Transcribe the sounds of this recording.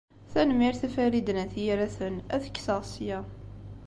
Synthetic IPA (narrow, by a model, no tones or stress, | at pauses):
θænmiɾθæfæɾid̪ənæθijɾæθənæθə̥kːsəʁsjæ